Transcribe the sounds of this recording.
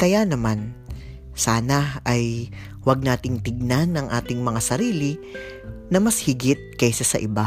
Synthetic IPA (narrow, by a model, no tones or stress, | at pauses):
kɐjanɐman | saːnɐʔɐj | wɐɡ̚naːt̪ɪŋt̪ɪɡ̚nanːɐŋʔaːt̪ɪŋmɐŋasɐɾiːlɪ | nɐmɐshɪɡɪt̪̚kɐjsasɐʔɪba